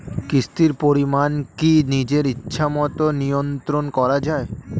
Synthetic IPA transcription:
kɾist̪iɾpoɾimankinid͡ʑeɾitːɕʰʃʰamɔt̪onijont̪ɾonkɔɾad͡ʑae

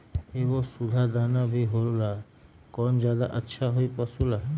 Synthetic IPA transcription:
ebɔsud̪ʱad̪anabʱiɦoɾula | kɔnd͡ʒad̪a̰ʔətːʃʰaɦojpɔsula

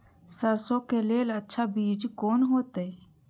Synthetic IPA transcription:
səɾsõkeleːlətːʃʰabiːd͡ʒkoːnɦoːt̪e

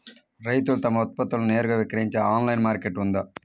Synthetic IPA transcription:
ɾɐɪt̪ːɯlt̪ɐmːɐɔt̪̚pɐt̪ːɯlneːɾɣɐʋɪkːɪɾɐɲt͡ʃɐaːnlɐjnmaːɾkɛʈːʋɐnd̪ɐː

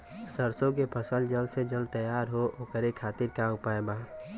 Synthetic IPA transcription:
səɾsõk̬epʰəsəld͡ʒəlsed͡ʒəlt̪əjaːɾɦooːkəɾekʰaːt̪ɪɾkaʊpaːebaː

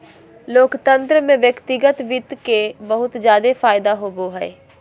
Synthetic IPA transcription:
loːkt̪ə̃nt̪ɾəmẽʋjəkt̪ɪɡət̪ʋɪt̪kebəɦʊt̪zjaːd̪efʰaːɪd̪aɦoːboːɦɛ̰ː

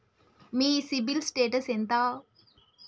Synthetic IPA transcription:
miːsibilsʈeːʈɐsent̪aː

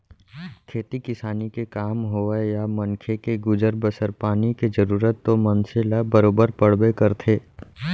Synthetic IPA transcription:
kʰeːt̪ikɪsaːnikekaːmɦoːejamɐ̃nkʰekeɡʊd͡ʒəɾbəsəɾpaːniked͡ʒəɾuːɾət̪ːomɐ̃nselabəɾoːbəɾpəɽ̤bekəɾt̪ʰeː

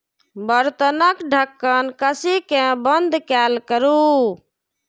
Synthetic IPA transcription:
bəɾt̪ənəkɖʱəkːənkəsikẽbənd̪ʱkɛlkəɾu

